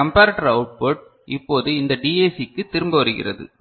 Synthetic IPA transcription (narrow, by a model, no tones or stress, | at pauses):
ɐmpaːɾɐʈːɐɾɐʊʈ̚poːʈ̚ | ʔɪpːoːðɯɪnd̪ɐɖiːeːsikːɯt̪ːɪɾɯmbɯʋɐɾɯɣɪ̰rɐ̰ðɯ̰